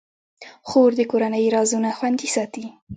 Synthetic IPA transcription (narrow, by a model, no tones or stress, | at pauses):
xoɾd̪əkoɾanəjɾɑzunaxwand̪isɑt̪i